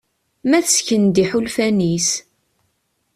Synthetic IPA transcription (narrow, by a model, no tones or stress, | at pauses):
mæθəsçənd̪iħulfænis